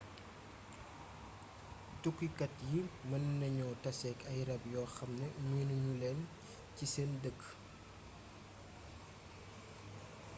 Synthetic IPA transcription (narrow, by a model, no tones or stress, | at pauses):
tukːikɐtjimɐnːɐɲɔːtɐsɛkɐjrɐbjɔːxɐmnəɲenuɲulɛn | ciseːndəɡ